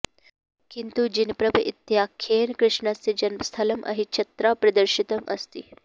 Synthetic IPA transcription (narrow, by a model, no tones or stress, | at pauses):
kint̪ud͡ʒinpɾɐbʱuʔit̪jakʰenkɾɪʂɳast͡sed͡ʒɐnməst̪ʰɐləmʔɐ̰ɦit͡ʃʰɐt̪ɾapɾɐd̪əɾʃit̪əmɐ̰st̪ḭː